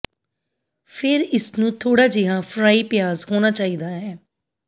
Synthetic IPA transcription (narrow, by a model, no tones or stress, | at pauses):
pʰɪɾɪsnũːt̪ʰoːɽaːd͡ʒɪɦãːfʰɾaːiːpɪjaːzhoːnaːt͡ʃaːiːd̪aːɦɛː